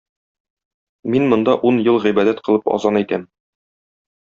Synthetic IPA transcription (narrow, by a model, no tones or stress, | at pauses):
minmŏnd̪ɑʔunjɤlˠʁibæd̪æt̪qɤ̆lˠɤpɒ̰zɑnik̪æm